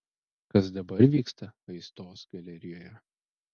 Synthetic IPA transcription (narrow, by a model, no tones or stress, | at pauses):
kɐsd̪ɐbɐɾʋʲiːkst̪ɐɐɪst̪oːsɡɐlʲɛɾʲɪjoːjɛ